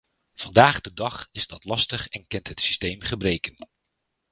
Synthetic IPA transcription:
v̥ɑndaːχdədɑχɪzdɑtlɑstəχɛnkɛntɦətsi̥stejmχəbrejkən

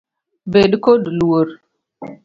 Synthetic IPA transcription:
beɗkodluwoɾ

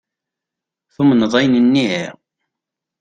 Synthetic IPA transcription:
θumənəðˤɑjnənːiḭʁ

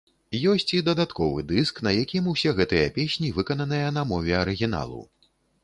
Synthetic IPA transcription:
jɔsʲt͡sʲid̪ɐd̪at̪kɔvɨ̰d̪ɨsknɐjakʲimusʲɛɣɛt̪ɨjɐpʲesʲnʲivɨkɐnɐnɨjɐnɐmɔvʲɛɐɾɨɣʲin̪a̰lˠṵ

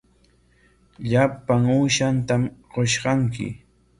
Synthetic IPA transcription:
ʎapaŋuːʃant̪amɢoʃɢɑŋkɪ̰

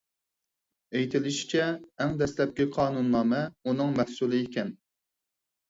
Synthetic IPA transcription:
ejt̪ʰɪlɪʃi̥t͡ʃʰɛːŋd̪ɛslɛp̚kʲiqʰɑːnunːɑːmɛunɨŋmɛhsulˠɨekʲʰɛn

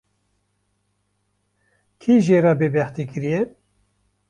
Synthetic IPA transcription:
kʰiːʒeːɾɑːbeːbɛht̪iːkɨɾijɛ

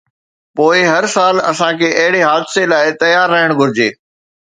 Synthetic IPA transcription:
poːɪɦɐɾsaːlɐ̰sãkʰeːʔɐɦɪɽeɦaːd̪ɪselaːɪt̪ɐjaːɾːɐɦɪɽ̃ɡʱʊɾɪd͡ʑeː

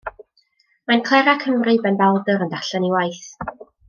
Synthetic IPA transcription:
mankʰl̥ˠɛɾakʰəmrɨbɛnbalˠdəɾəndaɬaniwajθ

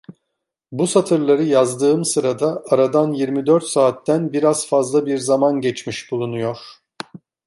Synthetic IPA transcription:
busat̪ʰɯɾlˠaɾɯjazd̪ɯːɯmsɯɾad̪aːɾad̪anjiɾmid̪øɾt̪saːt̪ːænbiɾaz̥fazlˠabiɾzamanɟɛt͡ʃmiʃbulˠunujo̞ɾ̥

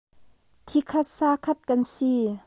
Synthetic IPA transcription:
t̪ʰikʰɐt̪̚saːkʰɐt̪̚kɐnsi

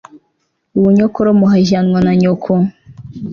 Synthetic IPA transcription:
uwuɲokoɾomuɦaʒanŋwanaɲokʰo

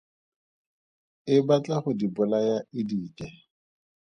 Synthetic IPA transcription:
ɪbat͡ɬʼaχʊdibʊlajaɪdiːkʼɛ

